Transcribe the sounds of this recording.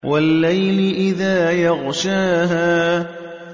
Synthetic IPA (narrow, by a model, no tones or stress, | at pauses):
walːajlɪʔɪðaːjɑɣʃaːɦaː